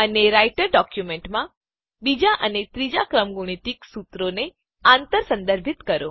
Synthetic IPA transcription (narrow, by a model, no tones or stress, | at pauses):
əneɾajʈəɾɖɔkjumeɳʈmã | bid͡ʒaʔənet̪ɾid͡ʒakɾəmɡuɽ̃it̪iksut̪ɾone | ãnt̪əɾsə̃nd̪əɾbʱit̪kəɾo